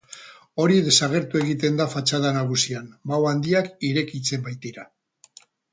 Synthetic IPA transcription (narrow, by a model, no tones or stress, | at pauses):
o̞ɾið̞e̞saɣ̞e̞ɾt̪ue̞ɣ̞it̪e̞nd̪afat͡ʃað̞anaɣ̞usiambawand̪iakiɾe̞kit͡se̞mbajt̪iɾa